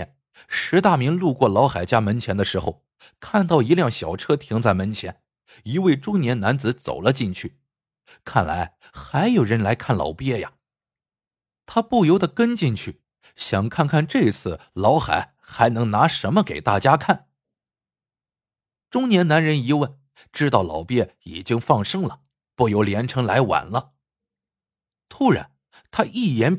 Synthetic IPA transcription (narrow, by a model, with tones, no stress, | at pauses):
ɛ˥˩n | ʂɻ̩˧˥t̪a˥˩mi˧˥ŋlu˥˧kwɔ˥˩lɑ˧˥ʊxa˨˩ɪt͡ɕja˥mə˧˥nt͡ɕʰjɛ˧˥nd̪ə˨˧ʂɻ̩˧˥xo˧ʊ | kʰa˥˧nt̪ɑ˥˩ʊi˧˥ljɑ˥˩ŋɕjɑ˨˩ʊʈ͡ʂʰɤ˥t̪ʰi˧˥ŋt͡sa˥˩ɪmə˧˥nt͡ɕʰjɛ˧˥n | i˧˥we˥˩ɪʈ͡ʂʊ˥ŋnjɛ˧˥nna˧˥nt͡sɹ̩˧˥t͡so̰˨˩ʊlə˦t͡ɕi˥˧nt͡ɕʰy˥˩ | kʰa˥˩nla̰˧˥ɪ | xa˧˥ɪjo˨˩ʊɻə˧˥nla˧˥ɪkʰa˥˩nlɑ̰˨˩ʊpjɛ˥˩ja̰˨˩ | t̪ʰa˥pu˥˩jo˧˥ʊd̪ə˨kə˥nt͡ɕi˥˧nt͡ɕʰy˥˩ | ɕjɑ˨˩ŋkʰa˥˧nkʰa˥˧nʈ͡ʂɤ˥˧t͡sʰɹ̩˥˩lɑ˧˥ʊxa̰˨˩˦ɪ | xa˧˥ɪnɤ˧˥ŋna˧˥ʂə˧˥nmə˧ke˨˩ɪt̪a̰˥˩t͡ɕja˥kʰa˥˩n | ʈ͡ʂʊ˥ŋnjɛ˧˥nna˧˥nɻə˧˥ni˧˥wə˥˩n | ʈ͡ʂɻ̩˥t̪ɑ˥˩ʊlɑ˧˥ʊpjɛ˥˩i˨˩t͡ɕi˥ŋfɑ˥˩ŋʂɤ˥ŋlə˨ | pu˥˩jo˧˥ʊljɛ˧˥nʈ͡ʂʰɤ˧˥ŋla˧˥ɪwa̰˨˩nlə˦ | t̪ʰu˥ɻa̰˧˥n | t̪ʰa˥ʔi˥˩jɛ˧˥n